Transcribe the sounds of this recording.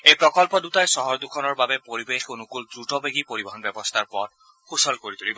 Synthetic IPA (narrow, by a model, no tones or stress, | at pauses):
ejpɹɔkɔlpɔdutajsɔɦɔɹd̪ukʰɔnɔɹbabɛpoɹibexkunukuldɹutɔbeɡipoɹibɔɦɔnbɛbɔst̪ʰaɹpɔd̚ | xusɔlkoɹit̪ulibɔ